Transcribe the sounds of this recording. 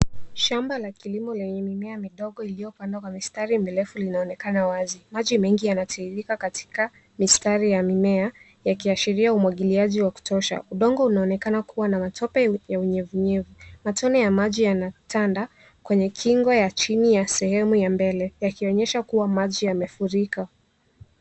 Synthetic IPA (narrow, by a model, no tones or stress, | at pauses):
ʃambalakilimɔlɛɲɛmimɛamiɗɔɠɔilijɔpandakwamistaɾimilɛfulinaɔnɛkanawazimaʄimɛŋɡijanatʰaiɾikakatʰi̥ka | mistaɾijamimɛa | jakiaʃiɾiaumwaɠiliaʄiwaku̥tʰɔʃa̰ʔuɗɔŋɡɔunaɔnɛkanakʰuwanamatɔpɛjauɲɛvuɲɛvumatʰɔnɛjamaʄijanatanda | kwɛɲɛkʰiŋɡɔjat͡ʃinijasɛhɛmujambɛlɛjakiɔɲɛʃakuwamaʄijamɛfuɾika